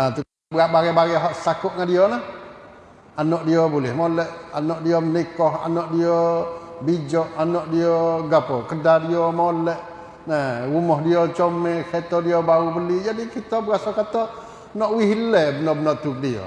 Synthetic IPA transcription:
at̪u | bəɣaʔbaɡɛbaɡɛɦɔʔst̪akʊʔ̚ŋandiɔlah | anɔʔdiɔbulɪhmolɛʔa̰nɔʔdiɔmənikɔɦa̰nɔʔdiɔbid͡ʒɔʔanɔʔdiɔɡapɔkədadiɔmolɛʔ | nɛɾumɔɦdiɔt͡ʃɔmɛkɛt̪ɔdiɔbaubəlid͡ʒadikit̪ɔbəɣasakat̪ɔʔ | nɔʔwiɦilɛbənɔbənɔʔt̪uk̚diɔ̰

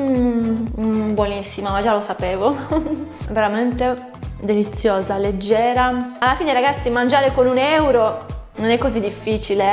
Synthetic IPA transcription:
bwonisːimamad͡ʒalosapeːvo | veɾament̪e | d̪elit̪sːjoːzaled͡ʒːɛːɾaalːafiːneɾaɡat̪sːimand͡ʒaːɾekonunɛwɾononɛkːozid̪ifːiːt͡ʃile

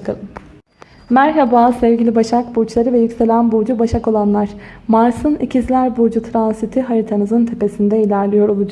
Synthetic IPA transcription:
kɯlˠɯ | mæɾɦebazsɛvɟilʲibaʃak̚but͡ʃlˠaɾɯvɛjycʲse̞lʲænbuɾd͡ʒubaʃako̞lˠanlˠaɾ̥maɾsɯnicʰizlʲæɾbuɾd͡ʒut̪ʰɾansit̪ʰiɦaɾit̪ʰanɯzɯnt̪ʰe̞pe̞sind̪ɛilʲæɾlʲijo̞ɾolˠud͡ʒ

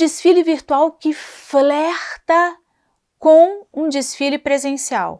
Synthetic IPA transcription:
d͡ʒisfilɪviɾt̪uawkɪflɛxt̪ɐ | kõw̃ũd͡ʒisfilɪpɾezẽsia̰w

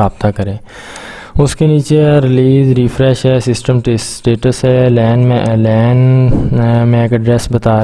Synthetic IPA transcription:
aːb̚t̪akəɾẽː | ʊskeniːt͡ʃeɾɪliːzɾiːpʰɾɛːʃɦɛːsɪsʈəmʈʈeːʈəsɦɛlɛːnmẽʔlɛːn | mẽkɖɾɛːsbət̪aː

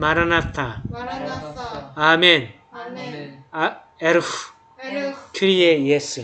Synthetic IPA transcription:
maɾanat̪ã | amɛ̃n | ɛɾf | kʰiɾijejɛs

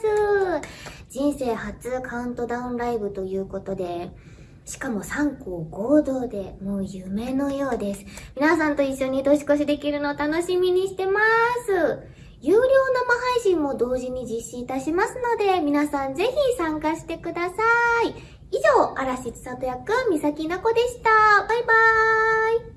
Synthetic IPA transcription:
sɨ | d͡ʑĩɰ̃se̞ːhat͡sɨkʰaɯ̟̃nt̪o̞d̪aɯ̟̃nɾaibɯ̟t̪o̞jɯ̟ːko̞t̪o̞d̪e̞ | ɕi̥kamo̞sãŋkoːɡo̞ːd̪o̞ːd̪e̞moːjɯme̞no̞jo̞ːd̪e̞sɨ̥mʲinas̬ãnt̪o̞iɕːo̞ɲ̟id̪o̞ɕi̥ko̞ɕ̬id̪e̞kʲiɾɯ̟not̪ano̞ɕimʲiɲ̟iɕi̥t̪e̞masɨ | jɯːɾʲo̞ːno̞maɦaiɕĩmːo̞d̪o̞ːʑiɲ̟id͡ʑiɕːĩit̪aɕimasɨno̞d̪e̞mʲinasãnze̞çisãŋkaɕi̥t̪e̞kɯ̟d̪asai | iʑo̞ːaɾaɕit͡sɨ̥sat̪ojakɯamʲisakʲinako̞d̪e̞ɕi̥t̪abaiba | i

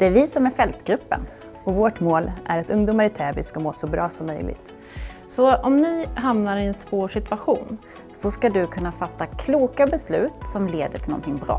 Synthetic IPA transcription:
d̪̥ɛæɾvɪsɔmæɾfɛlt̪ɡɾɵpːə̰n | ɔvoːʈmoːlʔæ̰ɾɛt̪ɵŋd̪uːmaɾɪt̪ʰɛːbɪskamoːsɔbɾɑːsɔmːœ̰jlɪ̰ɡt̪ | sɔɔmnɪɦamnaɾɪɛnspoːʂɪt̪ʰvaɧuːn | sɔskad̪ɵkʰɵnːafat̪ːakʰluːkabɛslʉ̟ːt̪sɔmleːd̪əʈʰɪlɔ̰nt̪ʰɪŋbɾɑ̰ː

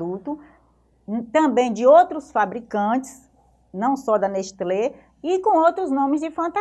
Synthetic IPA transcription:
ut̪ʊ | t̪ɐ̃bẽj̃d͡ʒɪowt̪ɾʊsfabɾikɐ̃t͡ʃɪ̥s | nɐ̃w̃sɔd̪ɐneʃt̪le | ikõw̃owt̪ɾʊznõmɪzd͡ʒɪfɐ̃nt̪a

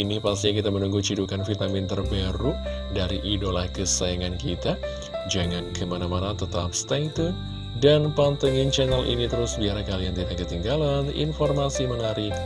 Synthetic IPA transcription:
inipast̪iɲak̬it̪amənuŋɡut͡ʃidukanfit̪amint̪ərbɛɾu | daɾiʔːdolahkəsajaŋankit̪a | d͡ʒaŋankʰəmanamanat̪ət̪a̰p̚st̪ait̪u | danpant̪aŋɪnt͡ʃɛnɛlʔḭnit̪əɾʊsbiaɾakalijaŋt̪idakət̪iŋɡalanḭnformasiməŋaɾi

